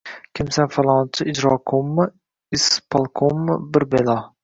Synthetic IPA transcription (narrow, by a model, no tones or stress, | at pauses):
kʲʰɪmsanfalˠɒnt͡ʃʰɪɪd͡ʒɾɒkʰomːɨ | ɪspʰalˠkʰomːɪbɪɾbelˠɒ